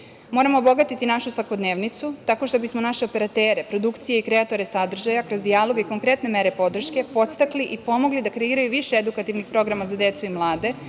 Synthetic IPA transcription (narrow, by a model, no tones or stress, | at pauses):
moɾamo̞ːbo̞ɡat̪it̪inaʃusʋako̞d̪neːʋnit̪sut̪ako̞ʃt̪o̞bismo̞naʃe̞ope̞ɾat̪eːɾe̞pɾo̞d̪ukt̪sije̞ikɾe̞at̪o̞ɾe̞sad̪r̩ʒajakɾo̞zd̪ialˠo̞ɡiko̞ŋkɾe̞t̪ne̞me̞ɾe̞po̞d̪r̩ʃke̞po̞t̪st̪akliʔipo̞mo̞ɡlid̪akɾe̞iːɾajuʋiʃeed̪ukat̪iʋnixpɾo̞ɡɾamazad̪e̞t̪suimlˠaːd̪e̞